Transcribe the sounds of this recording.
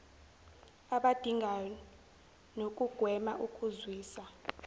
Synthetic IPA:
aɓad̥ʱiŋʱaj | nok̬ʼuɡ̥ʱwɛmaʔukʼuzwiːsa

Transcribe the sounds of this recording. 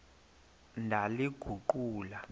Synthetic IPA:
ndʱaliɡ̥ʱuǃuːla

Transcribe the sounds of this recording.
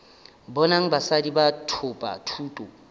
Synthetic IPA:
bɔnaŋ̩basadibatʰʊpʼa̰tʰuːtʼo

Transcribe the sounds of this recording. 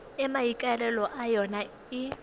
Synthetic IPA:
ɛmaikʼaɛlɛlɔʔajɔna | ɪ

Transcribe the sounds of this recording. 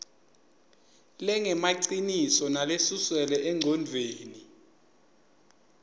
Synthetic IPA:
lɛŋɛmaǀinisɔnalesuswɛlɛʔɛŋʱɔndʱeːni

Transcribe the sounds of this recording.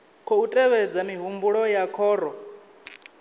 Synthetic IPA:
kʰɔutʼɛβɛd͡zamiɦumbuɺɔjakʰɔːɾɔ

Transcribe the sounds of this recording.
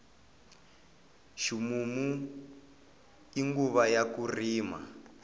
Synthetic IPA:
ʃimumu | iŋɡuβajakuriːma̰

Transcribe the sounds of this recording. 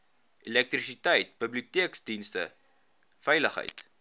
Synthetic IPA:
ilɛk̚trisitəjt̚bəbliutiəksdinstə̰ | fɛjləχɦə̰jt

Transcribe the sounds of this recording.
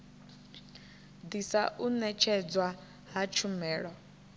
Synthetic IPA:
d̪isaʔunɛt͡ʃʰɛd͡zwa | ɦat͡ʃʰumɛːɺɔ

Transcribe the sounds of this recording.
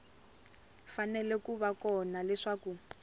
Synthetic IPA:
fanɛlɛkuβakɔnalɛʂaku

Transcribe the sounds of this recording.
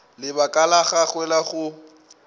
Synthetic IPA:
lɪbakʼalaɣaχwɛlaχʊ

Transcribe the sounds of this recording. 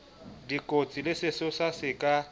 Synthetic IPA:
dikʼot͡sʼilɪsɪsʊsasɪkʼa

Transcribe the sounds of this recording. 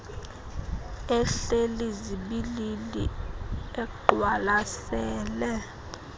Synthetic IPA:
ɛɬeliziɓililḭɛɡ͡ǃwalasɛːlɛ

